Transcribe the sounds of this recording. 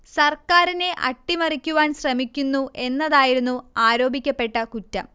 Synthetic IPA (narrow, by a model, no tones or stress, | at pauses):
sɐrkaːɾine̞ʔɐ̰ʈːimɐrikʲːuʋaːnɕrɐmikʲːunːuʔe̞nːɐðaːjiɾunːuaːɾo̞ːbʱikʲːɐpːe̞ʈːɐkutːɐ̰m